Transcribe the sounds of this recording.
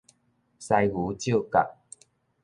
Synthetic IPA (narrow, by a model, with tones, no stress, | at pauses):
sa˧jɡu˨˦t͡ɕjo˥˧˨ka˨˩t̚